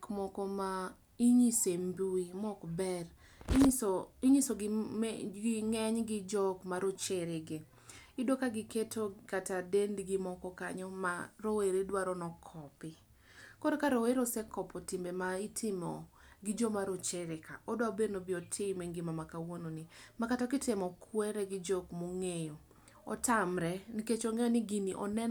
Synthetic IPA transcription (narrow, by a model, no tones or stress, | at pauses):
kmɔkɔma | iɲisembuimɔkbɛr | iɲisoɡ | ɡɪŋɛɲɡɪd͡ʒɔkmaɾot͡ʃeɾɪɡɪ | idokaɡɪketokatadendɡɪmɔkɔkaɲɔmaɾoweɾedwaɾɔnɔkʰɔpɪ | koɾokaɾoweɾosɛkɔpɔtɪmbemaitʰɪmɔ̰ | ɡɪd͡ʒɔmaɾot͡ʃeɾɪkaʔɔdoabenobɪɔtʰɪmeŋɡɪmamakawononimakatɔkɪtɪmɔkʰwɛɾɛɡɪd͡ʒɔkmoŋejo | ɔ̰tamɾɛniket͡ʃɔŋɛjɔnɪɡiniʔɔnɛn